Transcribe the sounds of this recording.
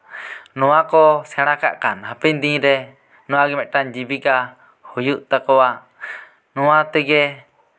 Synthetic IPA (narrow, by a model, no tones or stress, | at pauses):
nɔwakɔsɛɽ̃aka̰ʔkanhapɛɲd̪ĩɾɛ | nɔwaɡɛmɛʔʈaɲd͡ʒibika | hujuʔt̪akɔwa | nɔwat̪ɛɡɛ